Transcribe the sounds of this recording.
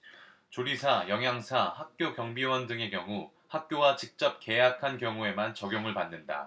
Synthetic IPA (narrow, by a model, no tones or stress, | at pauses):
t͡ɕoɾisʰajʌŋɦjaŋsʰahak̚k͈jokjʌŋbiwʌndɯŋe̞kjʌŋu | hak̚k͈jowat͡ɕik̚t͡ɕ͈ʌp̚ke̞jakʰankjʌŋue̞mant͡ɕʌɡjoŋɯɭpanːɯnda̰